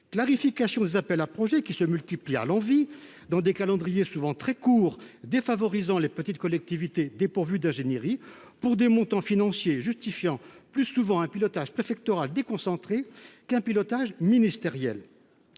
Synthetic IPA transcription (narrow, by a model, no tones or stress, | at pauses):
klaʁifikasjɔ̃d̪ezapɛlapχɔʒɛkʲisəmylt̪iplia̰lɑ̃vi | d̪ɑ̃d̪ekalɑ̃d̪ʁijesuvɑ̃t̪χɛkuːʁd̪efavɔʁizɑ̃lepət̪it̪kɔlɛk̚t̪ivit̪ed̪epuʁvyd̪ɛ̃ʒenjeʁi | puʁd̪emɔ̃t̪ɑ̃finɑ̃sjeʒyst̪ifjɑ̃plysuvɑ̃ɛ̃pilɔt̪aʒpχefɛk̚t̪ɔʁald̪ekɔ̃sɑ̃t̪χekɛ̃pilɔt̪aʒminist̪eʁjɛl